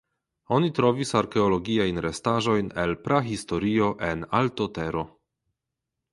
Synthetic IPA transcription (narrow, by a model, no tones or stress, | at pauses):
o̞nitɾo̞visaɾkeolo̞ɡiajnɾestaʒo̞jne̞lpɾaɦisto̞ɾio̞ʔe̞naltote̞ɾo̞